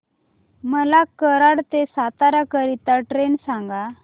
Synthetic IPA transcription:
məlakəɾaɽt̪esat̪aɾakəɾit̪aʈɾensãŋɡa

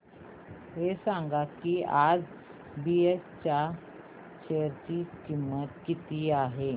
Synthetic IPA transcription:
ɦesãŋɡakiad͡z | biest͡ɕa | ɕejəɾt͡ɕiːkimːət̪kit̪iːaɦe

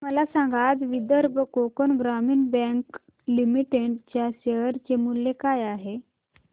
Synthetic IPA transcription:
məlasãŋɡad͡zʋid̪əɾbʱəkokonɡɾamiːnbɛ̃ŋk | limiʈeʈt͡ɕjaɕeɦəɾt͡ɕemulːekajaɦe

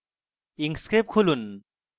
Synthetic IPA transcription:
iŋskep̚kʰulun

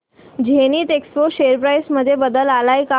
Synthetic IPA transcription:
d͡ʑʱeniːt̪ekspoɕeəɾpɾajsməd̪ʱːjebəd̪əlalaika

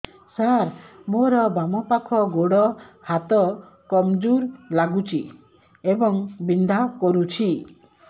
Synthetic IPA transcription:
saɾmoɾɔbamɔpakʰɔɡoɽɔ | hat̪ɔ | kɔmd͡ʒuɾlaɡut͡ʃʰi | ebɔŋbind̪ʱakɔɾut͡ʃʰi

